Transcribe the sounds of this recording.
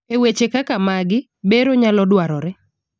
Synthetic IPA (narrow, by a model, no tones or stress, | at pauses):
ewet͡ʃekakamaɡɪ | beɾoɲalɔdwaɾɔɾɛ